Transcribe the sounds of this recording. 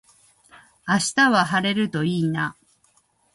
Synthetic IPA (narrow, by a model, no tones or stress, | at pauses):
aɕi̥t̪aβaɦaɾe̞ɾɯ̟t̪o̞iːna